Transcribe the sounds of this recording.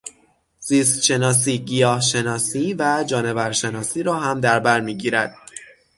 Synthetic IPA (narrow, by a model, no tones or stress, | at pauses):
z̥iːst̪ʃe̞nɒːs̬iːɟijɒːhʃe̞nɒːsiːvæd͡ʒɒːne̞væɾʃe̞nɒːsiːɾɒːɦæmd̪æɾbæɾmiːɟiːɾæd̪̥̚